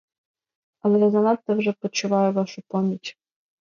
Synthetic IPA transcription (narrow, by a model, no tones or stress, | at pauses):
ɐlˠɛazɐnɑt̪ɛwʒɛpɔt͡ʃʊʋɑjʊʋɑʃʊpɔmʲitʲ